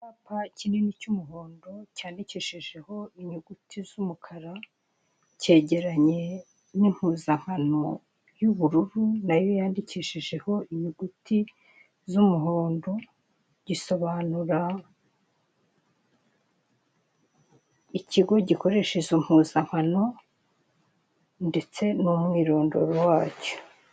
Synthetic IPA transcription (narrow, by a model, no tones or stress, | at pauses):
apacinenicumuɦo̞ːndo̞caːndiciʃeʒe̞ho̞iɲuɡutʰizumukʰaɾa | ce̞ːɟe̞ɾaɲe̞ | nim̥huːzaŋ̥hano̞ | juβuɾuɾunajojaːndiciʃeʒe̞ho̞iɲuɡutʰi | zumuɦoːndo̞ | ɟ̥iso̞βaːnuɾa | iciɡo̞ɟiko̞ɾe̞ʃezom̥huːzaŋ̥hano̞ | nde̞t͡se̞numŋiːɾo̞ːndo̞̰ɾowaːco̥